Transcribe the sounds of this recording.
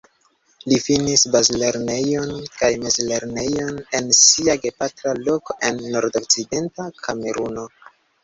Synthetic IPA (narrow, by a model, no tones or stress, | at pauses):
lifinisbazle̞ɾne̞jo̞nkajmezle̞ɾne̞jo̞ne̞nsiaɡe̞patɾalo̞ko̞ʔe̞nːo̞ɾdokt͡side̞ntakʰame̞ɾuno̞